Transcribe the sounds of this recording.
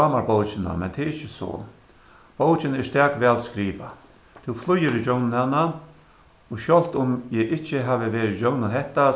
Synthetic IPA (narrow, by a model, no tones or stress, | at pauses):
ɑːmaɾbowt͡ʃɪna̰mɛ̰nt̪ʰɛːɾɪt͡ʃːɪso̰ː | b̥owt͡ʃɪnɛst̪ɛːkʋɛːlskɾiːʋa | t̪ʰʊwflʊjːɪɾid͡ʑownɪnhanːa | ɔʃjɔl̥t̪ʊmjɛːʔɪht͡ʃːɪɦaːʋɪʋeːɾɪd͡ʑownɪnɦɛht̪a